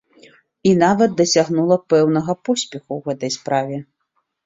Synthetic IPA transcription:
inavɐd̪̚d̪ɐsʲaɣnulˠɐpɛwnɐɣɐpɔsʲpʲɛxuwɣɛt̪ɐjspɾavʲɛ

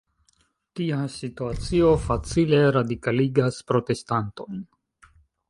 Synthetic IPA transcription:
tiasituat͡sio̞fat͡sile̞ɾadikaliɡaspɾo̞te̞stanto̞jn

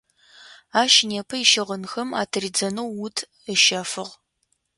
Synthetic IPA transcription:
aːʃneːpʰɐɪʃɪʁənxɐma̰ːtʰɐrid͡zɐnɐwːʊtʰ | əʃɐfɨʁ

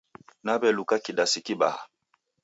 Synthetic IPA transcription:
nabɛlukakidasikiba̰ha

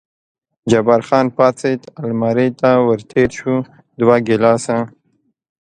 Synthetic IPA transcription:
d͡ʒabaɾxɑːnpɑt͡set̪almaɾet̪awəɾt̪ʰeɾʃu | d̪waɡɪlɑsã

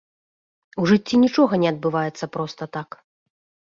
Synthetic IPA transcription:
uʐɨt͡sʲːinʲit͡ʂɔɣɐnʲɛɐd̪̚bɨvajɛt̪sːɐpɾɔst̪ɐt̪ak

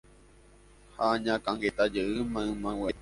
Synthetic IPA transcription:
haɲãkãŋɡet̪ad͡ʒeʔɨmãɨ̃mãwe

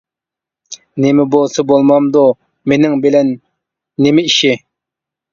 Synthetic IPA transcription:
nemɪbolˠsɨbolˠmɑmd̪u | menɪŋbɪlɛnː | emɪiʃɪ

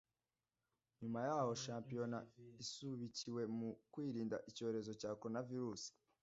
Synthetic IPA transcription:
ɲumajaːho̞ʃaːmpijo̞naisuβiciwe̞mukwiːɾiːndaʔico̞ːɾe̞zo̞caːkoɾnaviɾuːsi̥

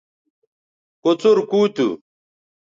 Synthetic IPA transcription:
kot͡suɾkuːt̪ṵ

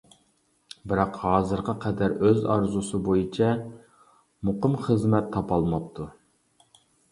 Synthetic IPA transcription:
bɪɾɑqhɑːzɨɾqɑqʰɛd̪æɾøzɑɾzusɨbojit͡ʃʰɛ | mʊqəmχəzmɛt̪ʰːɑpʰɑlˠmɑp̚t̪ʰu

